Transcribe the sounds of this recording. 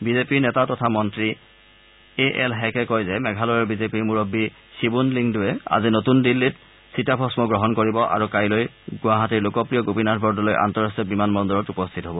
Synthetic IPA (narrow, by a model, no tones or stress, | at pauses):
bizepiɹnɛtatɔtʰamɔntɹi | eʔɛlɦɛkɛkojzɛmɛɡʱalɔjɔɹbizepiɹmuɹɔbːi | sibunliŋdʊɛa̰zinotundilːit | sitapʰɔsmɔɡɹɔɦɔnkoɹibɔʔa̰ɹukajloj | ɡʊaɦatiɹlokɔpɹijɔɡopinatʰbʱɔɹdɔlojʔa̰ntɔɹɔstɔbimanmɔndɔɹɔtupɔstʰitɦɔbɔ